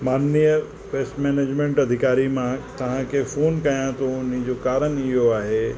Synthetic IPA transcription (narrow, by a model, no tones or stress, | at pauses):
maːnːiə | beːsʈmeːneːd͡ʑmẽːɳʈɐd̪ʱɪkaːɾimãt̪ɐʋ̤ãkʰefoːnkɐjãt̪ʰoʊnid͡ʑoːkaːɾənɪɦoaːɦe